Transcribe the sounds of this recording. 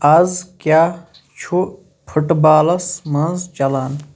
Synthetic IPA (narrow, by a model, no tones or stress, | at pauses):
ɐzkʲjaː | t͡ʃʰu | pʰəʈbaːlɐsmɐ̃nzd͡ʒɐlaːn